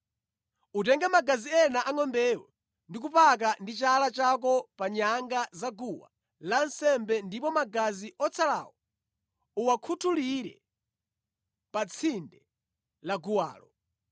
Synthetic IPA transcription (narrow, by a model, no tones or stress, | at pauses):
utɛŋɡɛmaɡaziɛnaʔaŋɔmbɛwɔ̰ | ndik̬upak̬andit͡ʃalat͡ʃak̬ɔpaɲaŋɡazaɡuwa̰ | lansɛmbɛndipɔmaɡaziʔɔt͡sʰala̰wɔ | uwakʰutʰuliɾɛ̰ | pat͡sʰindɛ | laɡuwa̰ːlɔ